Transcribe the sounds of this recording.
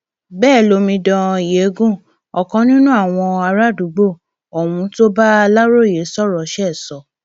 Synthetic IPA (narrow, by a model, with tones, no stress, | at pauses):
bɛː˦˨lo˧mĩ˧dɔ̃˧˨je˨˦ɡũ˦˨ | ɔ˨kɔ̃˧˦nĩ˦nũ˦a˦˨w̃ɔ̃˧a˧ɾa˦˨du˨˦ɡ͡bo˦˨ | ɔ˨wũ˧˦to˦ba˦a˧la˦ɾo˦˨je˨˦sɔ˦˨ɾɔ˨˦ʃɛ˦˨sɔ˨˦